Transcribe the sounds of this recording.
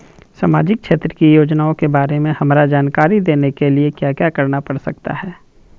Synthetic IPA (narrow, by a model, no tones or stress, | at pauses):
saːmaːd͡ʒɪk̚ʃʰeːt̪ɾəkijoːd͡ʒnaːõkebaːɾemẽhɐmɾad͡ʒaːnkaːɾid̪eːnekeliekjaːkjaːkɐɾnapɐɽsɐk̚t̪a̰ɦɛː